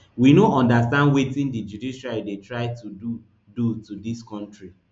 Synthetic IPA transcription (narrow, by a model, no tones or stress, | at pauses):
winoɔ̃ndastãndwetĩndid͡ʒudiʃalidetɹaɪtudu | dutudiskɔ̃ntɹi